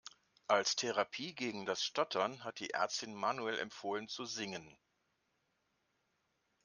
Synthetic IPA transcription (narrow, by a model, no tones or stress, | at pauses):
ʔalstʰɛʁapʰiːɡeːɡŋ̩dasʃtɔtʰɐnɦat̚d̥ḭːʔɛ̰ɐt͡stɪnmaːnuɛlʔɛ̰mfoːlənt͡suzɪŋən